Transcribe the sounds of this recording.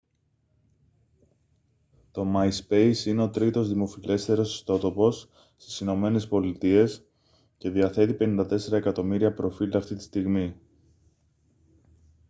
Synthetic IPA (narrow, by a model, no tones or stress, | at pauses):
t̪o̞majspe̞jsine̞o̞t̪ɾit̪o̞zðimo̞file̞st̪e̞ɾo̞si̥st̪o̞t̪o̞po̞s | st̪i̥sino̞me̞ne̞spo̞lit̪ie̞s | ce̞ðiɐθe̞t̪ipe̞nind̪ɐt̪e̞se̞ɾɐe̞kɐt̪o̞miɾiɐpɾo̞filɐft̪it̪i̥st̪iɣmi